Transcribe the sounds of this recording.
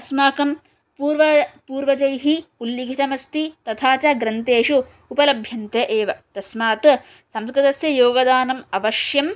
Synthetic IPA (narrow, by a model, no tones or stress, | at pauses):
ɐsmaːkɐm | puːɾʋɐpuːɾʋɐd͡ʒɐjɦiuljiɡʱit̪ɐmɐst̪it̪ɐt̪ʰaːt͡ʃaːɡɾɐnt̪eːʂu | upɐlɐbʱjɐnt̪jɐʔeːʋɐt̪ɐsmaːt̪ | sɐmskɾɨt̪ɐsjɐjoːɡɐd̪aːnɐmɐʋɐʃjɐm